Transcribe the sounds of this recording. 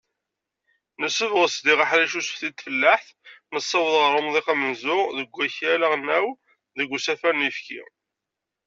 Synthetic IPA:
nəsːəvʁəsd̪iʁaħɾæʃusfθid̪fəlːaħθ | nəsˤːɑwðˤʁəɾˤɑmðˤiqɑmənzʊʁðəɡʷːæçæləʁnæw | ðəɡʷːsæfænifkḭ

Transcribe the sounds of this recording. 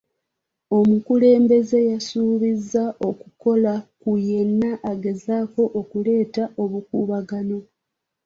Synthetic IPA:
o̞mukule̞ːmbe̞ze̞jasuːβizːaʔo̞kuko̞lakuje̞nːaʔaɡe̞zaːko̞ʔːkule̞ːtaʔo̞βukuːβaɡano̞

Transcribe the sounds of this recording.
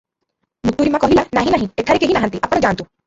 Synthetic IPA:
mut̪uɾimãkɔɦilanaɦĩnaɦĩet̪ʰaɾikeɦinaɦãnt̪iʔapɔɽ̃d͡ʒaãnt̪ũ

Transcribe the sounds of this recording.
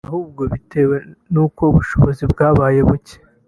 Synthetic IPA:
ahuːb̚ɡo̞βite̞ːwe̞nuːko̞uβuʃo̞βo̞zibɡaːβaːje̞βuce̥

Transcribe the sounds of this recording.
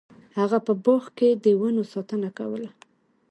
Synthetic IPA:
haɣapəboxked̪əwənosɑt̪ənaka̰wəla

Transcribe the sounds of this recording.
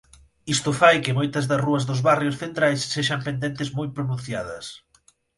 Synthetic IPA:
ist̪ʊfajkɪmojt̪ɐzðɐsruɐzðʊzβarjʊsθent̪ɾajsːeʃɐmpend̪ent̪ɪzmojpɾʊnũn̟θjaðɐs

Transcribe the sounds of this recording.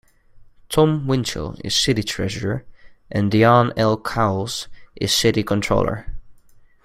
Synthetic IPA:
tʰɔ̃mwɪ̃nt͡ʃə̰lˠɪ̰z̥sɪɾitʰɹ̥ɛʒəɹə˞ʔɨ̃ndiɑ̃nɛlˠkʰaʊlˠzʔɪ̰z̥sɪɾikʰə̃ntʰɹ̥o̰ʊlˠə̰˞

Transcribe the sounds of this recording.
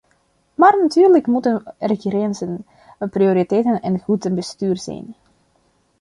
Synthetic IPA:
maːrnatyːrləkmutənrekiɾɛnzən | prioɾitɛjtənɛnɣutənbəstyːrzɛ̰jn

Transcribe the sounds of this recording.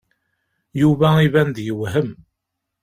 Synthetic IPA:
juvæivænd̪jəwɦəm

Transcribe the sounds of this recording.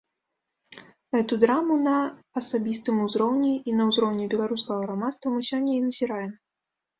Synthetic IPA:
ɣɛt̪ud̪ɾamunɐː | sabʲist̪ɨmuzɾɔwnʲiinɐwzɾɔwnʲibʲɛlˠaɾuskɐɣɐɣɾamat̪st̪vɐmɨsʲɔnʲːɐinɐzʲiɾajɛm

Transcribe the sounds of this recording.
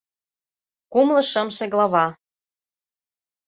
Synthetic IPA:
kumlɤ̆ʃɤ̆mʃĕɣlɑβɑ

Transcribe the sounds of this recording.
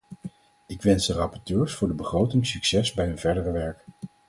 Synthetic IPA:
ɪkʋɛnzdərɑpɔɹtøːɹsfʊːɹdəbəχrowtɪŋsyksɛsbɛjɦɵnvɛɹdərəʋɛɹk

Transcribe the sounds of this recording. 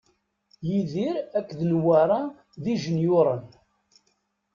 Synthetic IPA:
jiðiɾækːðnwaɾˤɑ | ðiʒənjʊɾˤən

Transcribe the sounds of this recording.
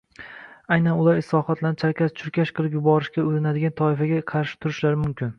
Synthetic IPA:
ajnanʊlˠaɾɪslˠɒχat̪ʰlanɪt͡ʃʰaɾkʲʰast͡ʃʰʊɾkʲʰaʃqʰɨlˠɪp̬jʊbɒɾɪʃɡʲaoɾɪnad̪ɪɡʲant̪ʰɒɪfaɡʲaqʰɑɾʃɪ̥t̪ʰʊɾɪʃlaɾɪmʊmkʲʰɪn

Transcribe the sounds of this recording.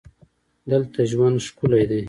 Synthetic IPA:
d̪əlt̪aʒwand̪ʃkulajd̪e

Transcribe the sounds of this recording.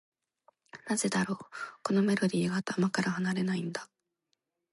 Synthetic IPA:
naze̞d̪aɾo̞ːko̞no̞me̞ɾo̞d̪ʲiːɡaːt̪amakaɾahanaɾe̞naĩnd̪ḁ

